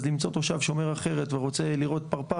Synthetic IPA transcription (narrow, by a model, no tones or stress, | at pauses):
zlimt͡so̞t̪oʃavʃo̞me̞ʁaχe̞ʁet̪veʁo̞t͡se̞liʁo̞t̪paʁpa